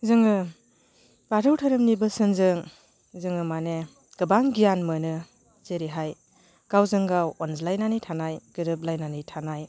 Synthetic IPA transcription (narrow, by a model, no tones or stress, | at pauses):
zɯŋɯ | b̥aɾʰɯwtʰɯɾɯmnibɯsɯnzɯŋ | zɯŋɯmane | ɡ̥ɯbaŋɡijanmɯnɯ | z̥eɾiɦaj | ɡ̥awzɯŋɡawɔnzlajnanijtʰanajɡ̥ɯɾɯb̚lajnanɯjtʰanaj